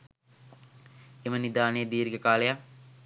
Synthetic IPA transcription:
emənid̪aːnejəd̪iːɾiɡekaːleja

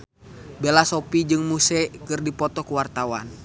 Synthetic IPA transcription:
belasopid͡ʒɨŋmusɛkɨrdipɔt̪ɔkuwart̪awa̰n

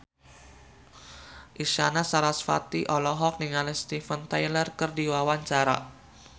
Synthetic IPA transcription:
ʔiʃanasaɾasfa̰t̪iʔɔlɔɦɔk̚dəŋanst̪ifənt̪ajlərkərdiwawaɲt͡ʃaɾa̰

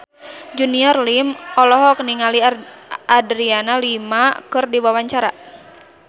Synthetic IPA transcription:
d͡ʒuniɔrlimɔlɔɦɔk̚niŋaliadɾianalimakɨrdiwawaɲt͡ʃaɾa

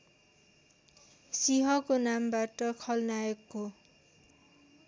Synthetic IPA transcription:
siɦʌkonambaʈʌkʰʌlnaekːo

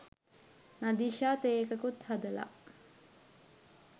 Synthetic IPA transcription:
nad̪iʃaːt̪ekəkut̪had̪əla̰

